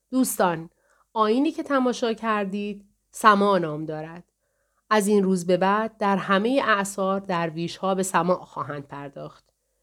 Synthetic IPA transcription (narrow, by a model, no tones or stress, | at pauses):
d̪̥uːst̪ɒːn | ʔɒːjiːniːcʰe̞t̪ʰæmɒːʃɒːcʰæɾd̪iːd̪̥̚ | sæmɒːnɒːmd̪ɒːɾæd̪̥ | ʔæzinruːzbe̞bæːd̪̚ːæɾɦæme̞jeʔæʔsɒːɾd̪æɾviːʃhɒːbe̞sæmɒːʔxɒːɦænd̪̥̚pʰæɾd̪ɒːxt̪